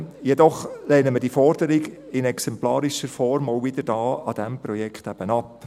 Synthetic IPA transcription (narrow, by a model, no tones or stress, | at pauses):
jɛdɔχlɛːnəmədiːfɔɾd̥əɾɪɡɪnɛksɛmplɑːɾɪʃəɾfɔɾmoʊvɪd̥əɾd̥ɑːɑd̥ɛmpɾɔjɛkχtæb̥ənɑp